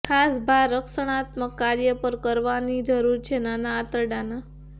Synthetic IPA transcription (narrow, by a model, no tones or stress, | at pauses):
kʰasbʱaɾːəkʃəɽ̃at̪məkːaɾjəpəɾkəɾʋanid͡ʒəɾuɾt͡ʃʰenanaːt̪əɾɖana